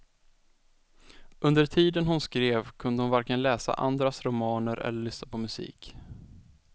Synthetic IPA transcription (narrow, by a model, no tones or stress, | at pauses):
ɵnd̪əɾt̪ʰiːd̪ənɦʊnskɾeːvkʰɵnd̪əhʊnvaɾkənlɛːsa̰ʔa̰nd̪ɾasɾʊmɑːnəɾʔɛ̰lːəɾɭʏsnapʰɔmɵsḭːk